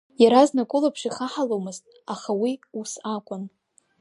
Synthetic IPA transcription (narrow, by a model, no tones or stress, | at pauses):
jaɾaznakʷʼʊlapʰʂiχaħalomɨztʼ | aχawiusakʷʼʊn